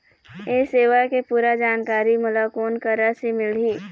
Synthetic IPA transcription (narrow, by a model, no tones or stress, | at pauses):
eːseːʋakepuːɾad͡ʒaːnkaːɾimʊlakoːnkəɾasimɪl̤iː